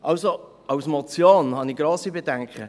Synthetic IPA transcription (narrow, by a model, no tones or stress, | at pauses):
ʔɑwso | ʔɑwsmot͡sjoːnhɑnɪɡɾoːsibedɛŋkχə